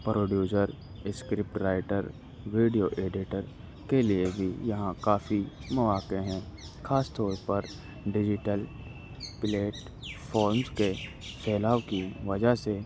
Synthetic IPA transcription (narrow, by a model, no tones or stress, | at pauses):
pɾoːɖjuːsəɾ | ɪskɾɪp̚ʈɾaːɪʈəɾ | ʋeːɖijoʔeːɖɪʈəɾ | keliebʱijɐɦãkaːfimɐʋaːkeɦɛ̃ː | xʰaːst̪ɔːɾpɐɾ | ɖɪd͡ʒɪʈəl | pleːʈ | fʰɔːɾmske | sɛːlaːʋkiʋɐd͡ʒase